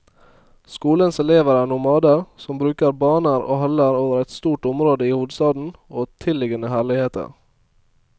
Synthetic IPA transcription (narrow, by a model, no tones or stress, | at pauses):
skuːlənsɛleːʋəɾænʊmɑːd̪əɾsɔmbɾʉːkəɾbɑːnəɾo̰ːhɑləɾoːʋəɾɛɪt̪st̪uːʈʊmɾoːd̪əiːhuːd̪st̪ɑːd̪n̩oːt̪ʰɪlːɪɡənəhæːɭɪheːt̪ə̰ɾ